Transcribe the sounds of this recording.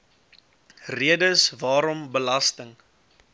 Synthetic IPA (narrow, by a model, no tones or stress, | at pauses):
riədəsvɑːɾɔmbəlɐstəŋ